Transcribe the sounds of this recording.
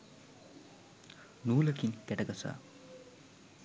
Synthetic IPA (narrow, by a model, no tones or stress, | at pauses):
nuːləkinkɛʈɐɡɐsa̰ː